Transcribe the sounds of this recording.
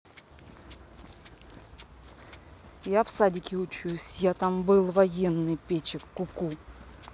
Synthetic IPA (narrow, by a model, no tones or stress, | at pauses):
jafsadʲɪkʲɪʊt͡ɕusʲjat̪ambɨlˠvɐjenːɨjpʲet͡ɕɪkːʊku